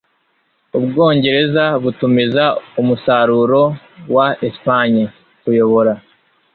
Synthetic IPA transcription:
ubɡo̞ːɲɟe̞ɾe̞zaβutumizaumusaɾuɾo̞ | waespaɲi | kujo̞βo̞ɾa

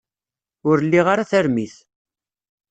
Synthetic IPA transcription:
ʊɾlːiʁaɾaθæɾmiθ

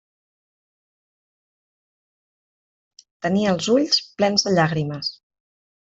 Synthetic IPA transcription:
t̪əniəːlˠzuʎsplɛnzðəʎaɣɾiməs

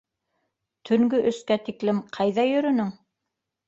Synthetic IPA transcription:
t̪ʰɵ̆ŋɡɵʔɘ̆skæt̪iklɘmqʰɑjðɑjɵ̆ɾɵ̆nɵŋ

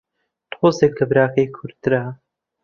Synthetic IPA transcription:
t̪xoːseklɐbɾaːkʰejkʰuɾt̪ɨɾaː

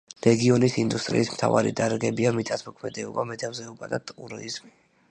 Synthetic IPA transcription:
ɾɛɡiɔnisind̪ust̪ʼɾḭːsmt̪ʰava̰ɾḭd̪aɾɡɛbiamit̪ʼat̪ʰmɔkʰmɛd̪ɛɔbamɛt̪ʰamzɛɔbad̪at̪ʼuɾɔizmi

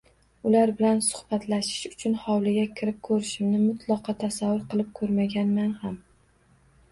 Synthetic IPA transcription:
ʊlaɾbɪlansʊ̥hb̥at̪laʃɪ̥ʃʊ̥t͡ʃʰʊnhɒwlˠɪɡʲakʲʰɪɾɪp̚kʰɵɾɪʃɪmnɪmʊt̪ʰlˠɒqɑt̪ʰasavːʊɾqɨlˠɪp̚kʰɵɾmaɡʲanmanham

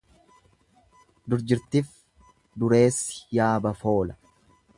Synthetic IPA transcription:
d̪ʊɾd͡ʒɪɾt̪ɪf | d̪ʊɾe̞ːsːɪ̥jaːbɐfo̞ːlɐ̥

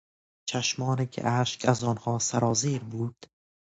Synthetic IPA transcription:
t͡ʃʰæʃmɒːniːkʲʰḛʔæʃkæzɒːnhɒːsæɾɒːziːɾbuːd̪̥

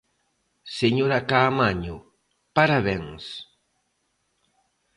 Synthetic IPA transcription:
seɲoɾakaːmaɲʊ | paɾaβɛŋs

